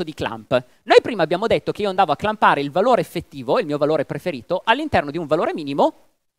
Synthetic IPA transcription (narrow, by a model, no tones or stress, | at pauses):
od̪ikla̰mp | nojpɾiːmabjaːmod̪et̪ːokeiːoand̪aːvoakːlampaːɾeilvaloːɾeːfːet̪ːiːvoilmiːovaloːɾepɾefeɾiːt̪oʔalːint̪ɛrnod̪iuɱvaloːɾemiːnimo